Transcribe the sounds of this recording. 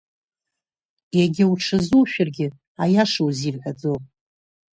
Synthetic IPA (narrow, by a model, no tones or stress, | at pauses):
jaɡʲɪwʈ͡ʂʰɨzuwʃᶣarɡʲɪ | ajaʂowzilħʷad͡zopʼ